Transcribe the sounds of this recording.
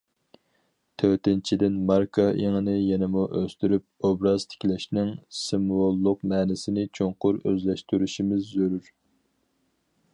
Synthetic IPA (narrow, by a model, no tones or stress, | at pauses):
t̪ʰøt̪ɪnt͡ʃʰid̪ɪnmɑɾkʰɑʔeŋənɪjɛnɪmuʔøst̪yɾyp̚obɾɑz̥t̪ʰɪ̥kʲlɛʃnɪŋsɪmwolˠːʊqmɛːnɪsɪnɪt͡ʃʰoŋqʊɾø̰zlɛʃt̪yɾyʃimɪzːøɾyɾ